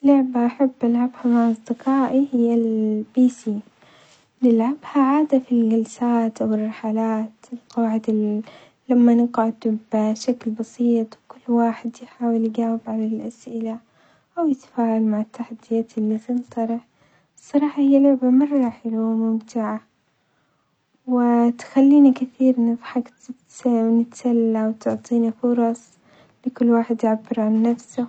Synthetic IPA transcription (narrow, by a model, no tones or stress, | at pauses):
lʊʕbaʔaħabːʔalʕabhamaʕɑsˤd̪ɪqɑːʔihɪjːalbiːsiː | lɪlʕabhaʕaːd̪afilɡalsaːt̪ʔawɪrˤːɑħalaːt̪ɪlqɑwaʕɪd̪a | lamːanɪɡʕʊd̪bʃaklbɑsˤiːt̪ˤwkʊlːwaːħɪd̪jɪħaːwɪlɡaːwɪbʕalalʔasʔɪla | ʔawjɪt̪ḁfaːʕalmaʕɪt̪ːaħad̪ːɪjaːt̪ɪlːit̪ɪnt̪ˤɑɾˤɪħ | ɨsˤːɑɾˤɑːħɑhɪjːalʕɪbamʊrˤːɑːħɪlamʊmt̪ɪʕa | wɪt̪xalːiːnakɪθiːɾnafħakt̪ | nɪt̪salːawt̪ʊʕt̪ˤiːnifʊɾˤɑsˤ | lɪkʊlːwaːħɪd̪jɪʕabːɪɾʕanːafsa